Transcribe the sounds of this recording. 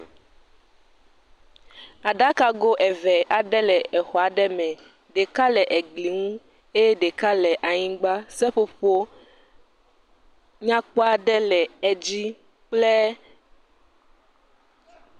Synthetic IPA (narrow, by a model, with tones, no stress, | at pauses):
a˨ɖa˦ka˦ɡo˦ʔɛ˨vɛ˨ʔa˨ɖɛ˦lɛ˨ɛ˨xɔ˨a˨ɖɛ˦mɛ̃˨ | ɖe˨ka˦lɛ˨ʔɛ˨ɡ͡bli˨ŋũ˦ | e˦jɛ˦ɖe˨ka˦lɛ˨ʔa˨ɲĩ˦ɡ͡ba˦sɛ˦ɸo˨ɸo˦ | ɲã˦k͡pɔ˦a˨ɖɛ˦lɛ˨ɛ˨d͡ʑi˦ | k͡plɛ˦